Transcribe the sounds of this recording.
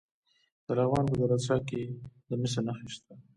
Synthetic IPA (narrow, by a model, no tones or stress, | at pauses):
d̪̥əlavɣɑnp̬əd̪alat͡ʃɑked̪əmɪs̬anaxiʃt̪a